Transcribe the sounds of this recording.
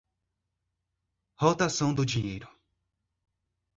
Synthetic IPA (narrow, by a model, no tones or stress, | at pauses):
hot̪asɐ̃w̃d̪ʊd͡ʒiɲejɾʊ